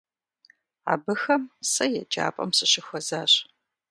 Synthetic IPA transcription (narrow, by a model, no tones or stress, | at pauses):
a̰ːbɨxɐmsɐjɛd͡ʒʼa̰ːpʼɐ̰msɨɕɪxʷɔzaːɕ